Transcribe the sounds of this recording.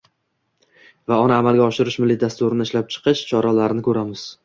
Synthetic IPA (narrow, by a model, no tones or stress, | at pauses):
vaɒnaːmalˠɡʲaɒʃɪɾɪʃmɪlːɪd̪ast̪ʊɾɪnɪɪʃlap̚t͡ʃʰɨ̥qɨʃt͡ʃʰɒɾalaɾnɪkʰɵɾamɪz̥